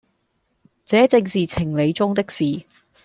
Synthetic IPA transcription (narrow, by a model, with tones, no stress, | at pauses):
t͡sɛː˨˥t͡sɪ˧ŋsiː˨t͡sʰɪ˨˩ŋle˨˧jt͡sʊ˥ŋt̪ɪ˥k̚siː˨˩